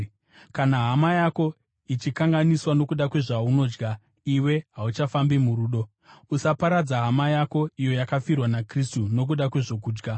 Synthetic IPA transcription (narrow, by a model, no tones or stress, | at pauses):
kanaɦamajako̞ | it͡ʃikaŋɡaniswano̞kuɗakwe̞ʐauno̞ːd͡ʒɡa | iwe̞ɦaut͡ʃafambimuɾuːɗo̞ | usapaɾad͡zaɦamajako̞ijo̞jakafirwanakristuno̞k̬uɗakwe̞ʐo̞k̬uːd͡ʒɡa